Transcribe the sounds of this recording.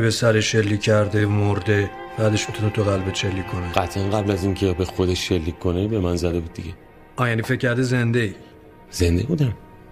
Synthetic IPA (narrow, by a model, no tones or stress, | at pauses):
besæɾeʃːelːiːcʰʲːæɾd̪emoɾd̪e | fææd̪e̞ʃmit̪ʰunet̪ʰuɣælbeʃe̞lːiːkʰːo̞neɡæt̪ʰʔænɢæblæziŋcʰebexod̪eʃʃːelːiːkʰkonebe̞mænzæd̪ebuːd̪̚ːiɟe | ʔɒːjænifecʰʲːæɾd̪eze̞nd̪ei | z̥e̞nd̪ebud̪æm